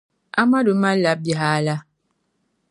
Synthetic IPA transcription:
a˦ma˦do˨˦ma˦la˦p̚bja˨ɦa˨˦la˦

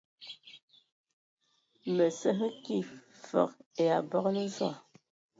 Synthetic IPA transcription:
mə˨sə˦ɦə˦ki˦˨ | fɔ̰˨ke˨a˨bɔ˦knə˦zwa̰˦˨

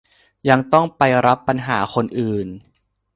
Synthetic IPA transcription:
ja˧ŋt̪ɔ˥˩ŋpa˧jɾa˦˥pːa˧nɦaː˩˦xʰo˧nʔɯː˨˩n

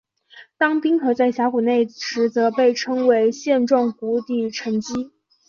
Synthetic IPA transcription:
t̪ɑ˥ŋpi˥ŋkʰɤ˧˩t͡sa˥˩ɪɕja˧˥ku˨˩ne˥˩ɪʂɻ̩˧˥t͡sɤ˧˥pe˥˧ɪʈ͡ʂʰɤ˥ŋwe˧˥ɪɕjɛ˥˧nʈ͡ʂwɑ˥˩ŋku˧˥t̪i˨˩ʈ͡ʂʰə˧˥nt͡ɕi˥

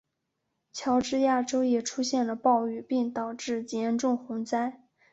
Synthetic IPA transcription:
t͡ɕʰjɑ˧˥ʊʈ͡ʂɻ̩˥ja˥˩ʈ͡ʂo˥ʊjɛ˨˩ʈ͡ʂʰu˥ɕjɛ˥˩nlə˩pɑ˥˧ʊy˥˩pi˥˩ŋt̪ɑ˨˩ʊʈ͡ʂɻ̩˥˩t͡ɕjɛ˧˥nʈ͡ʂʊ˥˩ŋxʊ˧˥ŋt͡sa˥ɪ

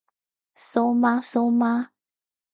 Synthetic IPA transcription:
so˦ma˦so˦ma˦

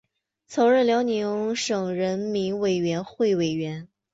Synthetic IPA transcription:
t͡sʰɤ˧˥ʊɻə˥˩ljɑ˧˥ʊni˧˥ŋŋʂɤ˨˩ŋɻə˧˥nmi˧˥nwe˨˩ɪɥɛ˧˥nxwe˥˩ɪwe˨˩ɪɥɛ˧˥n

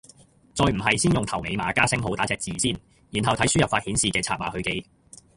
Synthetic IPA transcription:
t͡sɔː˧jm̩˨˩ɦɐ˨jsiː˥njʊ˨ŋt̪ʰɐ˨˩wme˨˧jmaː˨˧kaː˥sɪ˥ŋɦo˨˥wt̪aː˨˥ɛː˨k̚t͡siː˨siː˥˩n | ji˨˩nɦɐ˨wtʰɐ˨˥jsy˥jɐ˨faː˧t̚hiː˨˥nsiː˨˩kɛː˧t͡sʰaː˧t̚maː˨˧hɵ˧ɥke˧j

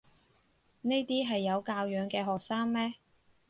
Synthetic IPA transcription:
ne˥jt̪iː˥ɦɐ˨jːɐ˨˧wkaː˧wjœː˨˧ŋkɛː˧ɦɔː˨k̚saː˥ŋmɛː˥

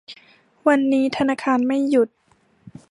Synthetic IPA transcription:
wa˧nːiː˦˥t̪ʰa˧naː˧kʰaː˧nma˥˩jːu˨˩t̪̚

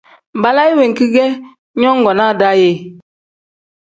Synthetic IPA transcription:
ba˨la˦i˦we˨ŋ˨ki˦ɡɛ˦ | ɲɔ˦ŋ˦ɡɔ˨na˦˨da˦je˦˨

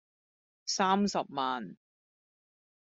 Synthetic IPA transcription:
saː˥msɐ˨p̚maː˨n

